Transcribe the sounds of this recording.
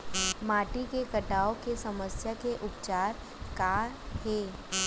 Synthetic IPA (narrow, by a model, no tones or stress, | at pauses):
maːʈikekəʈaːokesɐməsjakeʔʊpt͡ʃaːɾ | kaːɾheː